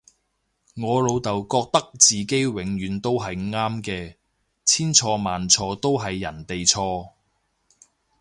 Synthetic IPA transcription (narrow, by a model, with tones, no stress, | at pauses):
ŋɔː˨˧lo˨˧wt̪ɐ˨wkɔː˧k̚t̪ɐ˥k̚t͡siː˨ke˥jwɪ˨˧ŋjyː˨˧nt̪o˥wɦɐ˨jŋaː˥mkɛː˧ | t͡sʰiː˥nt͡sʰɔː˧maː˨nt͡sʰɔː˧t̪o˥wɦɐ˨jːɐ˨˩nt̪e˨jt͡sʰɔː˧